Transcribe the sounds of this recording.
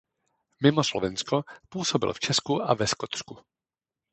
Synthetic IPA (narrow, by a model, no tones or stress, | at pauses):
mɪmoslovɛnskopuːsobɪ̰lft͡ʃɛskuʔavɛskot̪sku